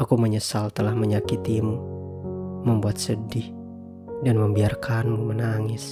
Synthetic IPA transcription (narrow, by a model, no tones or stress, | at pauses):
akuməɲəsalt̪əlahməɲakit̪imu | məmbuat̪̚sədɪh | danməmbiarkanmmənaŋɪs